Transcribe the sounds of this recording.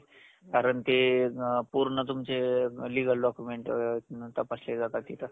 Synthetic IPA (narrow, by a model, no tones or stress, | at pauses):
kaɾəɳt̪epuɾɳət̪umt͡seliɡəlɖɔkjumeɳʈt̪apasled͡zat̪at̪it̪a